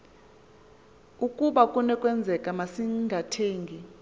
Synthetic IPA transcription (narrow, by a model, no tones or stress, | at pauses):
ukʼuɓakʼunɛkʼwɛnd͡zʱɛkʼamasiŋɡʱatʰeːŋɡʱi